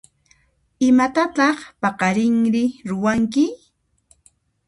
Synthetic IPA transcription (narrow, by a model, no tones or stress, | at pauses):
ɪmat̪at̪ɑχpɑqɑɾɪŋɾɪɾʊwaŋkɪ